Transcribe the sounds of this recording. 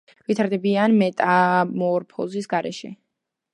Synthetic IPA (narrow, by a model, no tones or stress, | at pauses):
vit̪ʰaɾd̪ɛbianmɛt̪ʼamɔɾpʰɔ̰zisɡaɾɛ̰ʃɛ̰